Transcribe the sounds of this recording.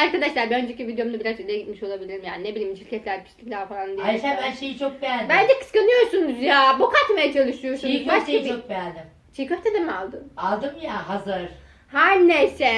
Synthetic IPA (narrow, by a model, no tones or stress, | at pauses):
aɾkad̪aʃlˠaɾbiønd͡ʒecivid̪ejo̞mud̪abiɾazølʲeɟit̪̚miʃo̞lˠabilʲiɾimjaːninebilʲiːmʃiɾcʰɛt̪lʲæɾcʰi̥ʃlʲiklʲæɾfalˠand̪ijɛbænʃejit͡ʃʰok̚bælbænd͡ʒɛkɯ̥skanɯjo̞ɾsunuzjaːbukat̪mejat͡ʃʰalˠɯʃujo̞ɾsunuzbaʃabok̚bæld̪ɪm | t͡ʃʰikʲøɾt̪ʰed̪emalˠd̪ɯmalˠd̪ɯmjaɦazɯɾ̥ | hanʲːesɛ